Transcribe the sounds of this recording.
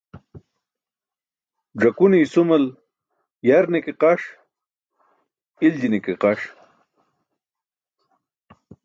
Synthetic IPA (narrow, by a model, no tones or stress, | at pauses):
ʐɐkunisumɐl | jaɾnikeqaʂ | ild͡ʑinikeqaʂ